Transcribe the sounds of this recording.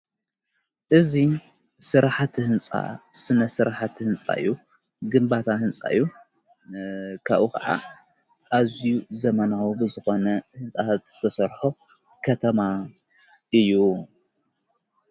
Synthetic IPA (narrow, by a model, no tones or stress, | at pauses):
ʔɨzi | sɨɾaħat̪ʰhɨnt͡sʼa̰sɨnɐsɨɾaħat̪hɨnt͡sʼa̰ɨ̰jːu | ɡɨmbat̪ʰahɨnt͡sʼa̰ɨjːu | kʰa̰βʔukʰɐʕa̰ʔazjuzɐmɐnawubɨzɨxo̞nɐhɨnt͡sʼaat̪z̥ɨ̥t̪ʰɐsɐɾħo | kʰɐt̪ʰɐma | ʔɨjːu